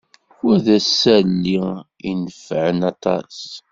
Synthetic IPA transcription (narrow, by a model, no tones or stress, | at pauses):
æðæsːælːi | inəfʕənɑt̪ˤɑ̰s